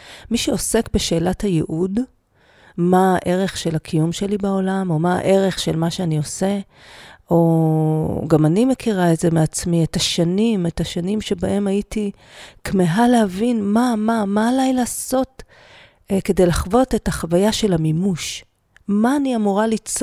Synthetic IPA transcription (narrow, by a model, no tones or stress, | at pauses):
miʃeose̞kbe̞ʃe̞ːlathajḛʔud | maʔe̞ʁe̞χʃe̞lakʰijumʃe̞libao̞lamo̞ma̰ʔe̞ʁe̞χʃe̞lmaʃeanio̞se | o̞ | ɡamanime̞kʰiʁaetze̞meat͡smietaʃanimetaʃanimʃebaʔe̞maiti | kmeɦalehavinmamamaːlajlaːso̞t | ke̞de̞jlaχvo̞tetaχavajaʃe̞lhamimuʃ | maːniamuʁalit͡s